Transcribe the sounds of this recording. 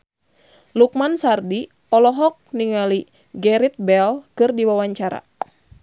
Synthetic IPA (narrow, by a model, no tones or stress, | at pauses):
luk̚mansardi | ɔlɔɦɔk̚niŋali | ɡɛɾit̪̚bɛlkɨrdiwawaɲt͡ʃaɾa̰